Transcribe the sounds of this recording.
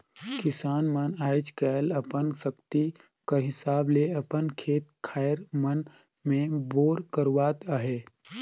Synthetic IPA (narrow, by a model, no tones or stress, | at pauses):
kɪsaːnmənaːjt͡ʃkaləpənsəkt̪i | kəɾɦɪsaːbleɐpənkʰeːt̪̚kʰaːɾmən | mẽboːɾkəɾwaːt̪aɦeː